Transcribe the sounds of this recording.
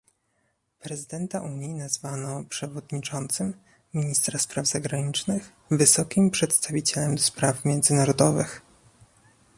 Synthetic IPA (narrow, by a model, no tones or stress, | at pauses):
pɾɛzɘd̪ɛnt̪aʔuɲjinazvanɔpʂɛvɔd̪ɲit͡ʂɔnt̪sɘmːʲ | iɲist̪ɾaspɾavz̥aɡɾaɲit͡ʂnɘx | vɘsɔkʲimpʂɛt̪st̪avʲit͡ɕɛlɛmd̪ɔspɾafmʲjɛnd̪zɘnaɾɔd̪ɔvɘ̰x